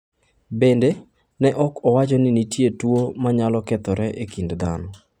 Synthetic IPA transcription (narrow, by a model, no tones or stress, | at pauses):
bende | nɛʔɔkɔwat͡ʃɔnɪnitjetwomaɲalɔkɛt̪ɔɾɛʔekindd̪a̰nɔ